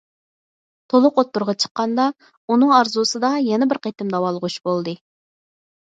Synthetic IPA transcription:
t̪ʰolˠʊqot̪ːuɾʁɑt͡ʃʰə̥qːɑnd̪ɑ | unɨŋɑɾzusɨd̪ɑjɛnɛbɪɾqʰet̪ɪmd̪ɑwɑlˠəʁut͡ʃbolˠd̪ɨ

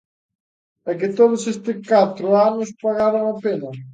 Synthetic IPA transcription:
ɛkɪt̪oðʊsest̪ɪkat̪ɾʊanʊspaɣaɾɐŋɐpenɐ

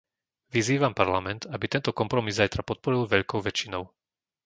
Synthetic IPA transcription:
ʋiziːʋampaɾlamɛnt̪abit̪ɛnt̪ɔkɔmpɾɔmizzajt̪ɾapɔt̪̚pɔɾilˠʋɛʎkɔʊʋɛt͡ʃinɔʊ

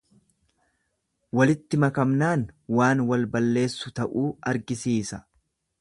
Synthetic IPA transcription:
wɐlɪt̪ːɪmɐkɐmnaːnwaːnwɐlbɐlːe̞ːsːʊt̪ɐʔuːɐɾɡɪsiːsɐ

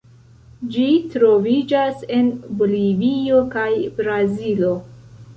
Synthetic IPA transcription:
d͡ʒitɾo̞vid͡ʒase̞nbolivio̞kajbɾazilo̞

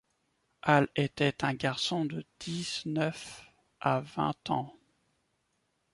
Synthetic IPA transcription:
ʔalet̪ɛt̪ɛ̃ɡaʁsɔ̃d̪əd̪̥iznœf | ʔavɛ̰̃t̪ɑ̰̃

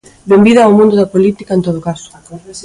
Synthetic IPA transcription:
bembiðɐːwmũnd̪ʊðapolit̪ikaẽnt̪oðokasʊ̥

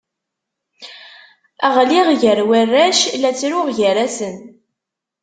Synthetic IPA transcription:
æʁliʁʝəɾwərːæʃlæt͡sːɾʊʁʝəɾæsən

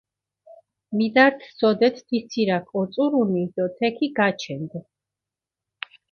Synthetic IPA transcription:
mid̪aɾt̪ʰsɔd̪ɛt̪ʰd̪it̪sʰiɾakʰʼɔt̪sʼuɾunid̪̥ɔt̪ʰɛkʰiɡat͡ʃʰɛnd̪

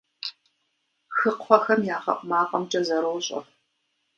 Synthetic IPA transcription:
xɨqʰʷɔxɐmjaːʁɐ̰ʔʷʼmaːqʼɐmt͡ʃʼɐzɐɾowɕʼɐ̰

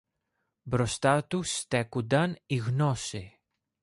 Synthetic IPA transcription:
bɾo̞st̪ɐt̪ust̪e̞kund̪ɐniɣno̞si

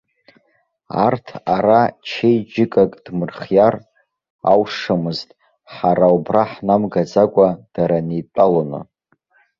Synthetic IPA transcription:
a̰rtʰaɾat͡ʃʰejd͡ʒɪkʼakʼd̥mɨrχjar | a̰wʂamɨztʼ | ħaɾawbraħnamɡad͡zakʷʼad̥aɾanitʷʼalonɨ̰

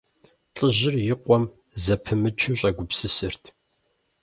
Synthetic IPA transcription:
ɬʼɨʑɪrjɪqʷɔm | zɐpʰɨmɨt͡ʃʰɪɕʷʼɐɡʷʊpsɨsɨrtʰ

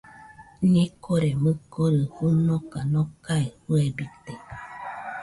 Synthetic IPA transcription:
ɲẽkʰoɾemɨkoɾɯhunokanõkaihuebit̪e

